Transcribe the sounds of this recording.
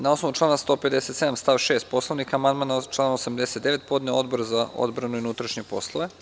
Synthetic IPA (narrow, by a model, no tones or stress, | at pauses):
nao̞snoʋut͡ʃlˠaːnast̪o̞ːpe̞d̪eset̪se̞d̪amst̪aʋʃeːst̪̚po̞slˠoʋnikaamand̪mant͡ʃlˠaːnosamd̪e̞set̪d̪e̞ʋe̞t̪poːd̪neo̞d̪̚boɾzao̰d̪bɾanuinut̪ɾaʃɲepo̞̰slˠoʋe